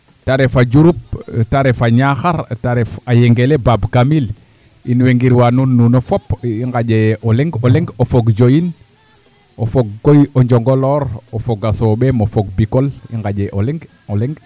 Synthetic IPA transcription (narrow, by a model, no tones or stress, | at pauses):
taɾefaɟuɾup̚taɾefaɲaxaɾtaɾefajeŋɡelebabkamil | inweŋɡiɾwanunːunofopiŋɡaɟeʔoleŋɡoleŋɡofoɡd͡ʒojin | ofoɡ̚ːojoɲd͡ʒoŋɡoloɾofoɡasoɓemofoɡ̚bikolḭŋɡaɟeʔoleŋɡ | olɛŋɡ